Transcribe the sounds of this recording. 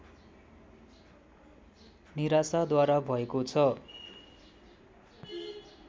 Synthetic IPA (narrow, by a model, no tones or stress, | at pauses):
niɾasad̪waɾabʱʌekot͡sʰʌ